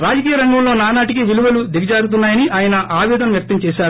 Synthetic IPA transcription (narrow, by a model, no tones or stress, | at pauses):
ɾaːd͡ʒɐkiːjɐɾɐŋɡɐmlo̞ːnaːnaːʈikiʋiluʋɐlud̪iɡɐd͡ʒaːɡut̪̬unːaːjɐniʔaːjɐnɐʔaːʋɛːd̪ɐnɐmjɐk̚t̪ɐmt͡ʃɛːʃaːɾu